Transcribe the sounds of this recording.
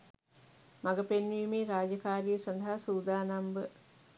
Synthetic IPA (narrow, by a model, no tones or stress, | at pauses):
maɡəpenʋiːmiːɾaːd͡ʒɐkaːɾijəsɐnd̪ɐɦasuːd̪aːnɐmbə